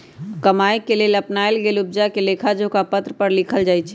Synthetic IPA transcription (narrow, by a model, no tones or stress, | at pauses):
kɐmaːjkeleːlɐpnaːelɡeːlʊb̚d͡ʒakeleːkʰad͡ʒokapət̪ɾəpəɾlɪkʰəld͡ʒaːjt͡ʃʰɛ